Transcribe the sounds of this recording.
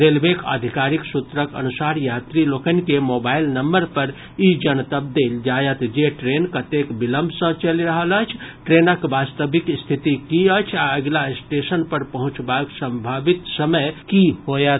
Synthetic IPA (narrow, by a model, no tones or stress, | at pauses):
ɾelbekʰə̰d̪ʱikaɾiksut̪ɾəkə̰nusaɾjat̪ɾilokənikemobailnəmbəɾpəɾ | id͡ʒənt̪əb̚d̪eld͡ʒajət̪d͡ʒeʈɾenkət̪ekbiləmbʱsə̃t͡ʃəliɾəɦələt͡ʃʰʈɾenəkbast̪əbikst̪ʰit̪ikiət͡ʃʰaəɡlasʈesənpəɾpəɦũt͡ʃbaksə̃mbʱabit̪səməjkihojət̪